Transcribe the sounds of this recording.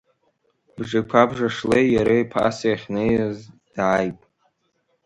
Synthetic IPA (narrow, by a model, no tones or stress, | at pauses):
bʐakʷʰabʐaʂlejːaɾajpʰa̰sjaχʲnejazd̥ʕajpʼ